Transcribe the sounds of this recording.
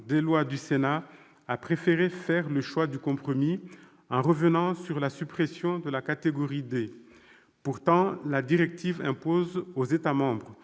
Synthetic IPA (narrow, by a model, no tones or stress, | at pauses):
d̪elwad̪ysena | apχefeʁefɛʁləʃwad̪ykɔ̃pχɔmi | ɑ̃ʁəvənɑ̃syʁlasypχesjɔ̃d̪əlakat̪eɡɔʁid̪e | puʁt̪ɑ̃lad̪iʁɛk̚t̪ivɛ̃pozozet̪amɑ̃bʁ